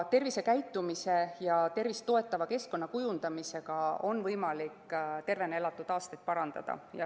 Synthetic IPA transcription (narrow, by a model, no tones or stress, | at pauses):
t̪e̞rvise̞kæjt̪ːˑumise̞jɑt̪e̞rvist̪o̞e̞t̪ːˑɑvɑke̞sko̞nːɑkujund̪̥ɑmise̞ɡ̥ɑo̞nːvɤjmɑlikːt̪e̞rve̞nelɑt̪ːˑud̪̥ɑːst̪et̪̚pɑɾɑnd̪̥ɑ̰d̪̥ɑ̰jɑ